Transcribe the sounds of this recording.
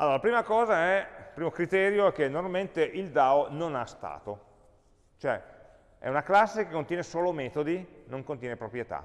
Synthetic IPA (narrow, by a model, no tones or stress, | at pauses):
alːoːɾalapɾiːmakɔːzaɛipɾiːmokɾit̪ɛːɾjoɛkːenːoɾmalment̪eʔild̪aononast̪a̰ːt̪o | t͡ʃoɛ̰ | ɛ̰unaklasːekekːont̪jɛːnesoːlomɛːt̪od̪inoŋkont̪jɛːnepɾopɾjet̪a̰